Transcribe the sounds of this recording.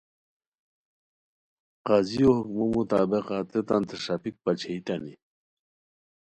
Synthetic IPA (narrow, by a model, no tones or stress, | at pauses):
qaziohukmomut̪aːbeqaːt̪et̪ant̪eʂapik̚pat͡ɕʰeit̪ani